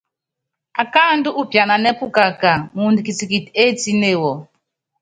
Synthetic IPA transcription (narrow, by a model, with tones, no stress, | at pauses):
a˨ka˦ndu˦ʔu˦pja˨na˨nɛ˦pu˦ka˨ka˨mu˨ndi˨ki˨t͡si˨ki˨te˦ti˦ne˦˨wɔ˨